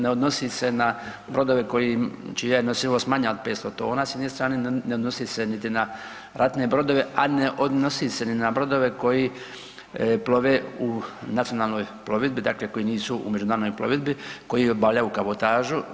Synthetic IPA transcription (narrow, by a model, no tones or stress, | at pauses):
neod̪no̞sise̞na | bɾo̞d̪o̞ʋe̞ko̞jit͡ʃijajenosiʋosmaːɲaod̪̚pet̪st̪ot̪oːnaːsjed̪nest̪ɾaːneneod̪no̞sisenit̪ina | ɾat̪ne̞bɾo̞d̪o̞ʋe̞ʔaneʔod̪nosiseninabɾo̞d̪o̞ʋe̞ko̞ji | plo̞ʋeunat̪sio̞naːlˠnoːjplˠo̞ʋid̪̚bid̪akleko̞jiniːsuṵme̞d͡ʒunaːnojplˠoʋid̪̚biko̞jibaʎaukaβot̪aːʒu